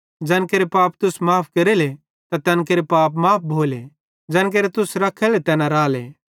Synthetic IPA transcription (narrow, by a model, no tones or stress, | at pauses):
d͡ʒɛ̃ːnkeːɾepaːp̚t̪ʊsmaːpʰkɐɾele | t̪at̪ɛ̃ːnk̬eɾepaːpmaːp̚ʰbʱoːle | d͡ʒɛ̃ːnk̬eːɾet̪ʊsɾɐkʰelet̪ɛːnaɾaːlḛː